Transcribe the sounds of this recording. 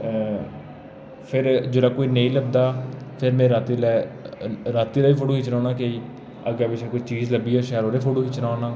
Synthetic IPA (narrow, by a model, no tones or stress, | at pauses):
pʰɪɾd͡ʒoːlaːkoːiːnẽːĩːləb̚d̪aːpʰɪɾmẽːɾaːt̪ilɛː | ɾaːt̪iːlaːiːpʰoːʈoːkit͡ʃnaːnaːkeiː | əɡɛːbɪt͡ʃʰeːkoiːt͡ʃiːzləbiːɛːʃɛːəɾoːɾeːpʰoːɽoːkit͡ʃnaːnaː